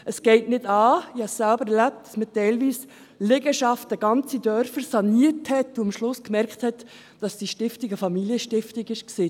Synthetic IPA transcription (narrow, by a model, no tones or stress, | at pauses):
əsɡ̥ɛɪtnɪd̥ɑːɪhɑssælbəɾɛɾlæp̚t̚d̥ɑsmətɛɪlʋiːs | lɪɡəʃɑftəɡ̥ɑnt͡sidœɾfəɾsɑniəthɛtːuɑmʃlʊskmɛɾkχthɛt | d̥ɑsd̥iʃtɪftiɡəfɑmiliəʃtɪftɪɡɪʃksiː